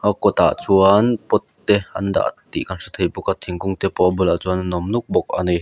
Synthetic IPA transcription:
akɔt̪a̰ʔt͡suanpɔt̪ːɛʔɐ̰nd̪a̰ʔt̪ḭʔkansɔt̪ʰejbukat̪ʰiŋkʊŋt̪ɛpɔʔbulaʔt͡suɐnnɔmnuk̚bɔk̚a̰ni

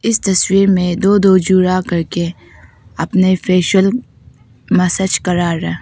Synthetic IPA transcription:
ɪst̪ɐswiːɾmẽd̪oːd̪oːd͡ʒuːɾakɐɾke | ɐpnefeːʃəl | mɐsət͡ʃkɐɾaːɾːɐɦ

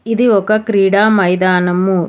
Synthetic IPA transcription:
id̪iɔkɐkɾiːɽaːmɐjd̪aːnɐmːu

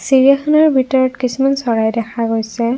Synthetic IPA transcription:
siɹijaxʰɔnɔɹbʱitɔɹɔtkisumansɔɹajdɛkʰaɡojsɛ

